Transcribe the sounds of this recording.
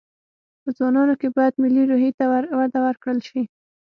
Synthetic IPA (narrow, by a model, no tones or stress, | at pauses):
pəd͡zwɑnɑnokebɑjad̪mɪliɾoɦit̪awad̪awəɾkɽəlʃi